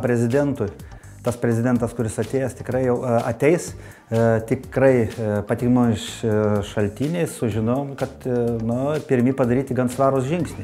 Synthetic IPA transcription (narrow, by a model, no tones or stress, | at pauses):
pʲɾʲɛzʲɪd̪ʲɛnt̪ʊj | t̪ɐspʲɾʲɛzʲɪd̪ʲɛnt̪ɐskʊɾʲɪsɐt̪ʲeːjɛst̪ʲɪkɾɐɪjɛʊɐt̪ʲɛɪs | t̪ʲɪkrɐɪpɐt̪ʲiːɡmoːɪʃʃɐlʲt̪ʲiːnʲeɪssʊʒʲɪnoːmkɐt̪nʊpʲɪɾʲmʲiːpɐd̪ɐɾʲiːt̪ʲɪɡɐnsʋɑːɾʊsʒʲɪŋksʲnʲɪs